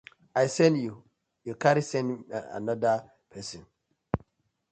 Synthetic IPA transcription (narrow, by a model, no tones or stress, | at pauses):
ajsɛ̃ndju | jukaɾisɛ̃na̰nɔda | pʰɛsɔ̃n